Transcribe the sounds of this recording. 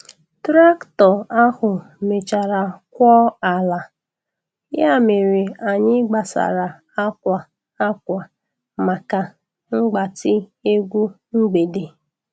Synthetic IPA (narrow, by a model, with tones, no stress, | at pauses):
tɾa˦ktɔ˨a˦hʊ˨ | me˨t͡ʃa˨ɾa˨kʷɔ˦a˨la˨ | ja˦me˨ɾe˨a˨ɲɪ˦ɡ͡ba˨sa̰˨ɾa˨ | a˦kʷa˨ | a˦kʷa˨ | ma˨ka˨ | ŋ͡m̩˦ɡ͡ba˨tɪ˦e˦ɡʷu˦ | ŋ͡m̩˦ɡ͡be˨de˨